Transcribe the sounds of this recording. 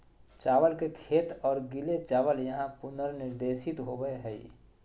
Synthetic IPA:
t͡ʃaːʋəlkekʰeːt̪ɔːɾɡɪlet͡ʃaːʋəljɐɦãpʊnəɾnɪɾd̪eːʃɪt̪ɦobəeɦɛḭ

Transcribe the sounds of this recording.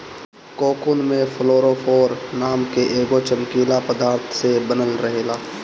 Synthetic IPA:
koːkunmẽfʰloːɾofʰoːɾnaːmkeʔeːɡot͡ʃəmkiːlapəd̪aːɾt̪ʰsebənəlɾɐɦeːlaː

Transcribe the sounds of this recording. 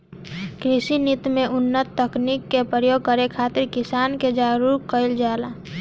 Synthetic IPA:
kɾɪsinit̪mẽʔʊnːət̪ːəknikːepɾəjoːɡ̚kəɾekʰaːt̪ɪɾkɪsaːnked͡ʒaɾuɾkəɪld͡ʒaːla

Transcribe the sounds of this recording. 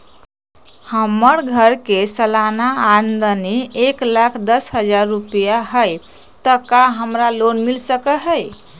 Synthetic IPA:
həməɾɡʱəɾkesəlanaand̪əneːklakʰd̪əsɦəd͡ʒaɾːupijaɦəj | t̪əkaɦəmɾalonmilsəkəɦəj

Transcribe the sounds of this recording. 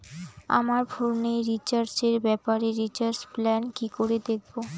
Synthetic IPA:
a̰maɾbʱoɾnejɾit͡ɕaɾd͡ʑeɾbɛpaɾeɾit͡ɕaɾd͡ʑplɛnkikoɾed̪ek̚ʰbo

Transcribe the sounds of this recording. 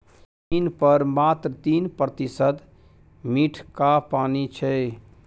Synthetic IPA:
tinpəɾmat̪ɾət̪inpɾət̪isəd̪ | miʈʰkapanit͡ʃʰɛ

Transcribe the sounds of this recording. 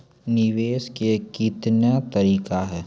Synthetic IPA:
nɪʋeːʃkekit̪njat̪ɐɾiːkaɦɛː

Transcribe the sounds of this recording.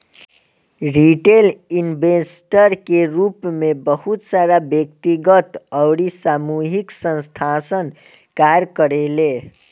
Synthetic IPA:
ɾiʈelinbesʈəɾkeɾupmebəhut̪saɾabjəkt̪iɡət̪əwɽisamuɦiksə̃nst̪ʰasənkaɾkəɾele

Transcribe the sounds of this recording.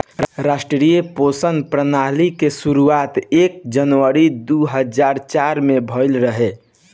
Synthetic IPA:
ɾasʈɾɾijeposənpɾənalikesuɾuat̪ek̚d͡ʒənʋəɾid̪uɦəd͡ʒaɾt͡ʃaɾmebʱəɪlɾəɦe

